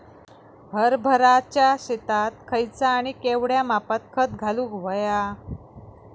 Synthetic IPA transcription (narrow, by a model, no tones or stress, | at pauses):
ɦəɾbʱəɾat͡ɕjaɕet̪at̪̚kʰəjt͡saːɽ̃ikeʋɽjamapat̪̚kʰət̪ɡʱaluːɡʋəja